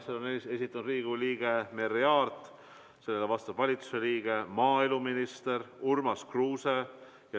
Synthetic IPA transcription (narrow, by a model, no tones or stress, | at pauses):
seonee̞sit̪ˑːɑnud̪riːɡ̥uliːɡ̥eme̞ɾeɑːrt̪ˑ | se̞lːe̞levɑst̪ɑb̥vɑlʲit̪u̥se̞liːɡ̥e̞mɑːeluminist̪eɾurmɑskruːse | jɑ